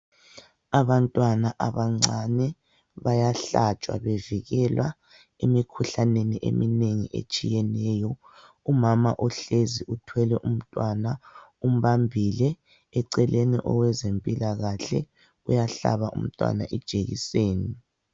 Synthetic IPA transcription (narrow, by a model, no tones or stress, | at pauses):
aβantʼwanaʔaβaŋ͡ǀanɛ | βajaɬat͡ʃʼwa̰βeviɣɛlwa | emikʰuɬaneniʔḛmineŋiʔḛt͡ʃʼijɛnɛːjɔ | umama̰ʔɔɬeziʔutʰwɛlɛʔum̩tʼwanaum̩βambʱilɛː | ǀɛlʔenḭʔɔ̰wɛzempʼilaɣaɬɛ̰ | ujaɬa̰βaʔṵm̩tʼwa̰naʔɛd̥ʒ̥ʱeɣḭseːni